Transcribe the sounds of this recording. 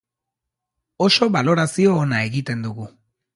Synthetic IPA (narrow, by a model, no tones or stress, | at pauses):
o̞ʃo̞βalo̞ɾasioːnae̞ɣit̪e̞nd̪uɣu